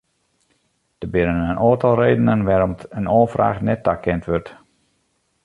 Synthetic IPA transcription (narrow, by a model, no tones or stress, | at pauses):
d̥əbɪnənənoːtɑlˠreːdənənʋɛɾɔmtənoːfra̰ːxnɛtːakʰːɛntʋørt